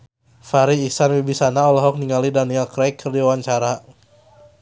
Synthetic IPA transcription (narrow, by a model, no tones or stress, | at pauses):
faɾiːsanwibisanaɔlɔɦɔk̚niŋalidanialkɾɛkʰːərdiawaɲt͡ʃaɾa